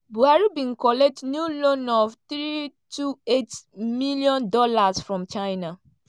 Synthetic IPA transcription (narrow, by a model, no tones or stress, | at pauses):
buaɾubĩŋ̩kɔlɛk̚tnjulonɔvtɾitʰuetmiliɔ̃ndɔlasfɹɔ̃mt͡ʃajna